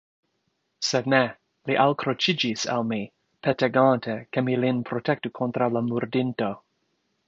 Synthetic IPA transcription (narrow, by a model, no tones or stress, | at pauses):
sed̚ne | liʔalkɾot͡ʃid͡ʒisa̰lmi | pʰeteɡantʰekemilinpɾotʰɛk̚tukʰont̪ɾalamuɾdinto